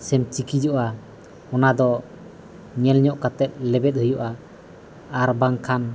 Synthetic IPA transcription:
sɛmt͡ʃikid͡ʒɔʔa | ɔnad̪ɔ | ɲɛlɲɔʔkat̪ɛt̪̚lɛbɛt̪̚həjuʔaː | ɾbaŋkʰan

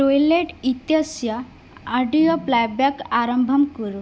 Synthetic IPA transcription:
ʈojleʈit̪jəsjaː | ɖijoplajbakaɾəmbʱəmkəɾu

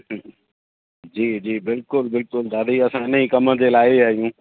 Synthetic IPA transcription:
d͡ʑiːd͡ʑiːbɪlkʊlbɪlkʊld̪aːd̪iɐsãɪnəĩːkɐmə̃d͡ʑelaːɪaːɦijũː

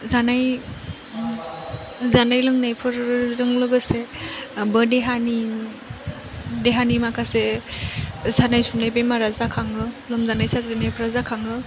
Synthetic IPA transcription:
zanaj | zanajlɯŋnajpʰɯɾɾɯŋlɯɡɯsebədeɦani | deɦanimakʰase | zanajsunːajbajmaɾazakʰaŋɯlɔmzanajsaszanajpʰɯɾazakʰaŋɯ

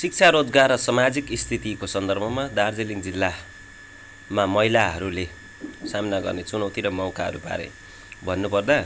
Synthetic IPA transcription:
sik̚t͡sʰaɾod͡zɡarːʌsʌmad͡zikist̪ʰit̪ikosʌnd̪ʌrbʱʌmad̪ard͡zeliŋd͡zilːa | mamʌɦilaɦʌ̰ɾule | samnaɡʌrnet͡sunʌwt̪iɾʌmʌwkaɦʌ̰ɾupa̰ɾḛ | bʱʌnːupʌrd̪a

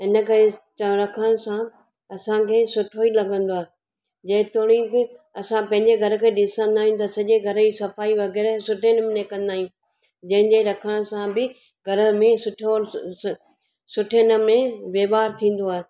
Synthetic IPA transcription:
ɦɪnə̆kɐɾet͡ɕəɾɐkʰəɽ̃sã | ɐsãkʰeːsʊʈʰoilɐɡʱə̃nd̪oaːɦe | d͡ʑɐɦɪ̃t̪oːɽ̃ibɪ | ɐsãpɐ̃ɦɪ̃ɲd͡ʑeɡʱɐɾəkʰeːɗɪsə̃nd̪aːɦĩjũt̪ɐsɐʄeɡʱɐɾəisɐfaːiʋɐɣɛːɾsʊʈʰenmɪnekɐ̃nd̪aːɦijũ | d͡ʑɐ̃ɦɪ̃ɲd͡ʑeɾɐkʰəɽ̃sãbɪ | ɡʱɐɾəmẽsʊʈʰo | sʊʈʰenəmẽʋeːʋaːɾt̪ʰĩːn̆d̪oaːɦe

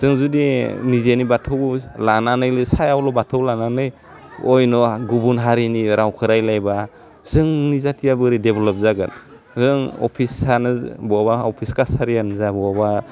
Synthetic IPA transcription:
z̥ɯŋzudinizenibatʰɔwlananɯjlɯsajawlɔbatʰɔwlananɯj | ɔjnɔɡubunɦaɾiniɾawkʰɯɾajlajba | zɯŋnizatʰijabɯɾideblɔp̚zaɡɯt | zɯŋɔ̰pʰisanɯbɔabaɔpʰiskasaɾianzabɔaba

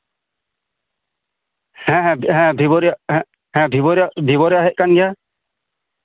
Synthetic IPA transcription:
hɛ̃ɦɛ̃ɦɛ̃bʱibɔɾjã | hɛ̃bʱibɔɾabʱibɔɾjaɦɛʔ̚kanɡɛja

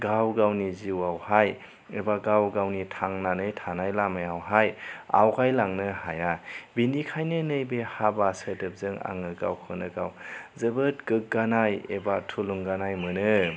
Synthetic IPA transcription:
ɡawɡawniziwawhaj | ebaɡawɡawnitʰaŋnanɯjtʰanajlamajawɦaja̰wkʰajlaŋnɯhajabindikʰajnɯnɯjbehabasədɯp̚zɯŋa̰ŋɯɡa̰wkʰɯnɯɡawzɯbɯt̚ɡɯk̚ɡanajebatʰuluŋɡanajmɯnɯ

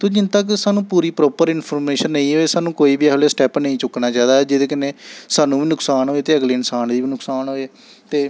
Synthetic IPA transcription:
t̪oːd͡ʒɪnt̪əksaːnũːpuːɾiːpɾɔːpəɾɪnpʰoːɾmeːʃənːəĩːɦoːeːsaːnũːkoːiːbiːɛfleːsʈɛːpnə̃ĩːt͡ʃʊknaːt͡ʃaːid̪aːɛːd͡ʒɪd̪eːkəneːsaːnũːbiːnʊksaːnɦoːeːt̪eːəɡliːɪnsaːnd̪iːbiːnʊksaːnɦoːeː | t̪eː

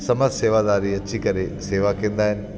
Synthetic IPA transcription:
sɐməzseːʋad̪aːɾiɐt͡ɕikɐɾeseːʋakĩːnd̪aːɦɪnɪ̆

